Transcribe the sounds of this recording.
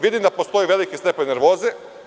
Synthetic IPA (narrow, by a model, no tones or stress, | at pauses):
ʋid̪imd̪apost̪o̞jeʋe̞likisepeneɾʋo̞ːze